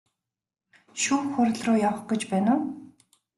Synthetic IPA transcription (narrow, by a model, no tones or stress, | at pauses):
ʃuːxʊrʲɮrʊːjaw̆χɡet͡ɕpæːnʊː